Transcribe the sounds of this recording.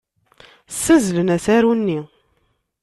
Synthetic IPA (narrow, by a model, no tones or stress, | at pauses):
sːæzlənæsæɾunːi